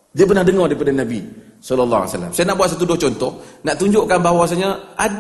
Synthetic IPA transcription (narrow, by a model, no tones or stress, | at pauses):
diəp̬ərnahdəŋɔrɾdaɾipadanabi | sɔlɔlːa̰a̰salːa̰msajanaʔbwat̪̚sat̪̬udɔt͡ʃɔnt̪ɔhnaʔt̪uɲd͡ʒʊʔkanbaɦwas̬aɲəʔa